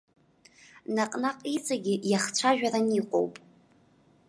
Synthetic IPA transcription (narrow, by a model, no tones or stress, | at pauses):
naqʼnaqʼit͡sʼaɡʲɪjaχt͡ʃʷʰaʒᶣaraniqʷʼo̰wpʼ